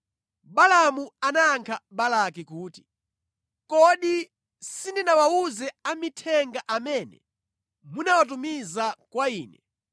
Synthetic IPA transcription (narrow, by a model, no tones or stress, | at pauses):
ɓalamuanaːŋkʰaɓalakikuːti̥ | kɔɗi | sindinawauzɛamitʰɛŋɡaʔamɛːnɛ̰ | munawat̬umizakwaiːnɛ